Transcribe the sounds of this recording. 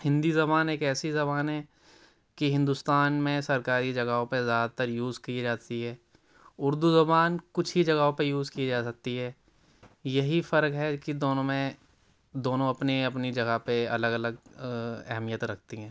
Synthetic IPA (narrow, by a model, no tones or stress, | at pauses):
hɪ̃nd̪izɐbaːneːkɛːsizɐbaːnɦɛː | kiɦɪ̃nd̪ust̪aːnmẽsɐɾkaːɾid͡ʒɐɡaːɦõpezjaːd̪at̪əɾjuːzkid͡ʒaːt̪iɦɛː | ʊɾd̪uzɐbaːnkʊt͡ʃʰɦid͡ʒɐɡaɦõpejuːzkied͡ʒaːsɐk̚t̪iɦɛː | jɐɦifɐɾkɦɛkid̪oːnõmẽ | d̪oːnõɐpniɐpnid͡ʒɐɡapeɐ̰ləɡɐləɡ | ɛ̰ɦmijət̪ɾɐk̚ʰt̪iɦɛ̃ː